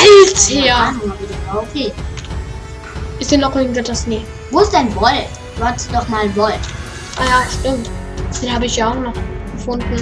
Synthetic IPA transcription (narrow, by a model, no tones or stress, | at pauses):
ɛltːanmavidɐaokʰeː | ʔɪsd̥enːɔχʔɪːɡŋ̩tvɛtasneː | voːsd̥anvɔl | vɔtdɔχmaːlvɔlt | ʔajaːʃtɪmt | d̥eːnhaːbəɪçjaːaʊχnɔχɡ̥əfʊnd̥n̩